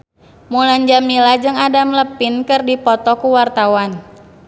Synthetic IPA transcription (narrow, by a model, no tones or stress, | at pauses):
muland͡ʒamilad͡ʒɨŋadamləpinkɨrdipɔt̪ɔkuwart̪awan